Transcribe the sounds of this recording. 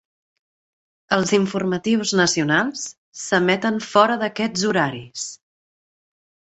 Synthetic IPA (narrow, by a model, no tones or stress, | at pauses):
əlˠziɱfurmət̪iwznəsiunalˠsː | əmɛt̪ənfɔɾəðəkɛd͡zuɾaɾis